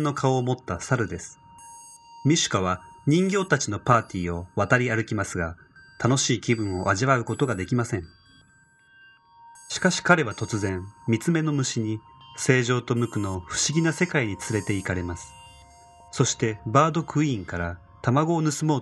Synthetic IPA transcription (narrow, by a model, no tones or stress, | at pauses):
nːo̞kʰao̞ːmo̞t̪ːasaɾɯ̟d̪e̞sɨ̥ | mʲiɕɨ̥kaβ̞aɲ̟ĩŋɡʲo̞ːt̪at͡ɕino̞paːt̪ʲiːo̞βat̪aɾʲiaɾɯ̟kʲimasɨɡa | t̪ano̞ɕiːkʲibɯ̟̃ɰ̃o̞ʔaʑiβaɯ̟ko̞t̪o̞ɡad̪e̞kʲimasẽ̞ɴ | ɕi̥kaɕi̥kaɾe̞βat̪o̞t͡sɨzẽ̞mmʲit͡sɨme̞no̞mɯ̟ɕiɲ̟i | se̞ːʑo̞ːt̪o̞mɯ̟kɯ̟no̞ɸɯ̟̥ɕiɡʲinase̞kaiɲ̟it͡sɨɾe̞t̪e̞ikaɾe̞masɨ̥ | so̞ɕi̥t̪e̞baːd̪o̞kɯ̟ĩŋkaɾa | t̪amaɡo̞ːnɯ̟sɨmo̞ː